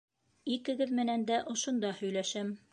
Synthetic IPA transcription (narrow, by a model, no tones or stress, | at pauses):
ikɘ̆ɡɘðmɘ̆nænd̪æʔŏʃŏnd̪ɑhɵ̆jlæʃæm